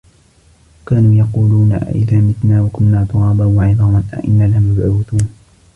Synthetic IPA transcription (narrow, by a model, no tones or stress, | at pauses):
kaːnuːjɑquːluːna̰ʔɪ̰ðaːmɪt̪naːwakʊnːaːt̪ˤʊɾɑːbɑwaʕɪðˤɑːmanʔa̰ʔɪnːaːlamʊbʕawɪt̪uːn